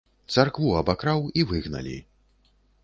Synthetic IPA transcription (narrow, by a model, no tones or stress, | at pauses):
t̪sarkvuɐbakɾawivɨɣnɐ̰lʲḭ